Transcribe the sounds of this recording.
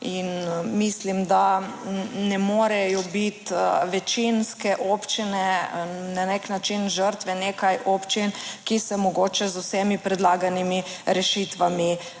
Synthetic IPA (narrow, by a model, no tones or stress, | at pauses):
inmislimd̪a | nɛmɔːɾɛjɔbit̪ʋɛt͡ʃinskɛʔoːpt͡ʃinɛnaneknat͡ʃinʒəɾt̪ʋɛnekajʔoːpt͡ʃinkisɛmɔɡoːt͡ʃɛzusɛmipɾɛd̪laːɡanimiɾɛʃit̪ʋami